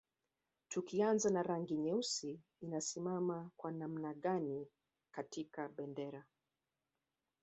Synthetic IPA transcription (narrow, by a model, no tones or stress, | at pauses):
tukianzanaɾaŋɡiɲɛusiː | nasimamakwanam̩naɠani | katikaɓɛndɛɾa